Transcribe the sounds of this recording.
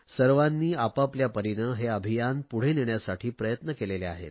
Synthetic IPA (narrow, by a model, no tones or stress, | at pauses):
səɾʋanːiːapapljapəɾinəɦeəbʱijanpuɽ̤eneɳjasaʈʰiːpɾəjət̪nəkelelea̰ɦḛt̪